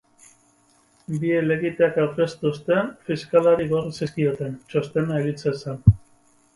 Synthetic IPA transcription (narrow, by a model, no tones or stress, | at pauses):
biele̞ɣit̪eakawke̞st̪ust̪e̞fiskalaɾiɣo̞risiskio̞t̪e̞nt͡ʃo̞st̪e̞naeɣit͡sesen